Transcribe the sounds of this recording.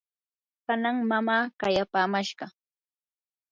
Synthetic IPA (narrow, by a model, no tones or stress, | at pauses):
kanaŋmamaːkajapaːmaʃɢɑ